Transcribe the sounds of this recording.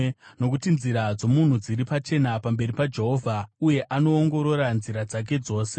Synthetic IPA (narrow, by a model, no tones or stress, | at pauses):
no̞k̬utinziɾad͡zo̞mun̤ud͡ziɾipat͡ʃe̞napambe̞ɾipad͡ʒe̞ɦo̞vʱauje̞ʔano̞ːŋɡo̞ɾo̞ɾanziɾad͡zak̬e̞d͡zo̞ːse̞